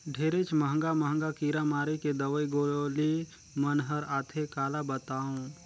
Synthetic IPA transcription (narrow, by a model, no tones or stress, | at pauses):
ɖʱeːɾet͡ʃməɦə̃ŋɡaməɦə̃ŋɡakiːɾamaːɾiked̪əʋəiɡoːli | mənɦəɾaːt̪ʰekaːlabət̪aːũ